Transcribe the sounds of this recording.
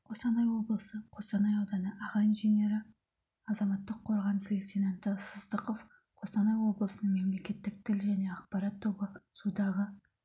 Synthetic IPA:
qʰo̞sɑnɑjwo̞blˠəsəqʰo̞sɑnɑjɑwd̪ɑnəʔɑʁɑinʒene̞ɾɪ | ɑzɑmɑt̪ːəqʰːo̞ɾʁɑnselʲet̪inant̪əsəzd̪əqof | qʰo̞sɑnɑjwo̞blˠəsənəɴme̞mle̞kʲe̞t̪ːɪk̚t̪ʰɪlʒæne̞ɑqpɑɾɑt̪ʰːo̞bəsud̪ɑʁə

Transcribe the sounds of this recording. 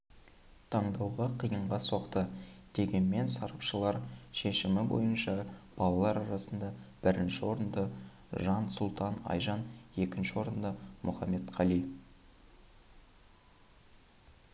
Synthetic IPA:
t̪ʰɑɴd̪ɑwʁɑqʰijəɴʁɑso̞qt̪əd̪̥e̞ɡʲe̞nme̞nsɑɾɑpʃəlˠɑɾʃe̞ʃɪmɪbo̞̰jənʃɑb̥ɑlˠɑlˠɑɾɑɾɑsənd̪ɑb̥ɪɾɪnʃɪwo̞ɾənd̪ə | ʒɑnsʊlˠt̪ʰɑnɑ̰jʒɑne̞kʲɪnʃɪwo̞ɾənd̪əmʔʊχɑme̞t̪qʰɑli

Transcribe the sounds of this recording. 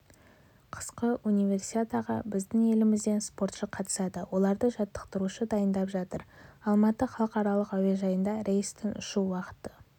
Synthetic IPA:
qʰə̥sqəʔunijvʲe̞rsi̥t̪ʲet̪aʁɑ̰bɪzd̪ɪŋe̞lɪmɪzd̪e̞nspo̞ɾt̪ʃəqʰːɑt̪ə̥sɑd̪əwo̞lˠɑɾd̪əʒɑt̪ːə̥qt̪əɾuʃəd̪ɑjənd̪ɑpʒɑt̪əɾɑlˠmɑt̪əχɑlˠəqɑɾɑlˠəqæweʒɑjənd̪ɑɾejst̪ʰɪnʊ̰ʃuwɑqə̥t̪ə

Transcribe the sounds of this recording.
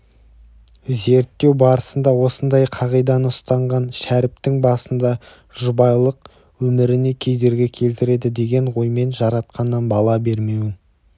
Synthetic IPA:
ze̞ɾt̪ːe̞wbɑɾəsənd̪ɑwo̞sənd̪ɑjqʰɑʁijd̪ɑnəʊst̪ɑɴʁɑnʃæɾɪp̚t̪ɪŋbɑsənd̪ɑ | ʒʊbɑjlˠəq̚ | wɵmɪɾɪne̞kʲʰe̞jd̪e̞ɾɡʲe̞kʲʰe̞lt̪ɪɾe̞d̪ɪd̪e̞ɡʲe̞ɴwo̞jme̞nʒɑɾɑt̪̚qɑnːɑnbɑlˠɑbe̞ɾme̞wɪn

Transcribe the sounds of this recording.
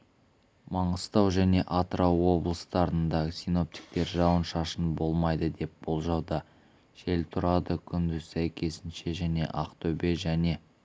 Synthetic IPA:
mɑɴəst̪ɑwʒæne̞ʔɑt̪ɾʔɑwːo̞blˠəst̪ɑɾənd̪ɑsijno̞p̚t̪ʲi̥k̚t̪e̞ɾʒɑwənʃɑʃənbo̞lˠmɑjd̪əd̪e̞p̚b̥olˠʒɑwd̪ɑ | ʒ̥e̞lt̪ʰʊɾɑd̪əkʲʰʏnd̪ɪzsæjkʲʰe̞sɪnʃe̞ʒæne̞̰ʔɑqt̪ʰɵbe̞ʒæne̞

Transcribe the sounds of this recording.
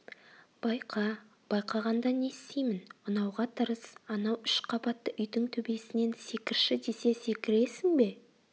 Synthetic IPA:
b̥ɑjqʰɑ | b̥ɑjqʰɑʁɑnd̪ɑne̞st̪ejmɪnʊnɑwʁɑt̪ʰəɾəsɑnɑwʏʃqʰɑbɑt̪ːəʔʏjd̪ɪŋt̪ʰɵbe̞sɪne̞nse̞kʲɪɾʃɪd̪e̞se̞se̞kʲɪɾe̞sɪŋbe̞

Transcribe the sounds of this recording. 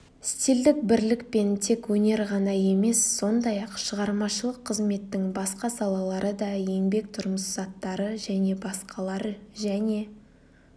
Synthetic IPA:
ɪst̪eld̪ɪk̚bɪɾlɪkpe̞nt̪ʰe̞kwɵne̞ɾʁɑnɑje̞me̞sːo̞nd̪ɑjɑqʃəʁɑɾmɑʃəlˠəqʰːəzme̞t̪ːɪŋbɑsqɑsɑlˠɑlˠɑɾəd̪ɑje̞ŋbe̞k̚t̪ʰʊɾməszɑt̪ːɑɾəʒæne̞bɑsqʰɑlˠɑɾəʒæne̞

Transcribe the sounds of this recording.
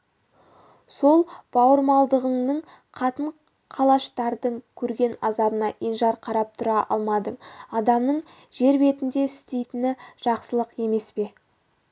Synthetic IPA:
so̞lˠb̥ɑwəɾmɑlˠd̪əʁəɴnəɴ | qʰɑt̪əɴ | qʰɑlˠɑʃt̪ɑɾd̪əɴkʲʰɵɾɡʲe̞nɑzɑbənɑʔenʒɑɾqʰɑɾɑp̚t̪ʰʊɾɑʔɑ̰lˠmɑd̪əɴɑd̪ɑmnəɴ | ʒe̞ɾbe̞t̪ɪnd̪e̞ɪst̪e̞jt̪ɪnɪʒ̥ɑqsəlˠəqe̞me̞spe̞

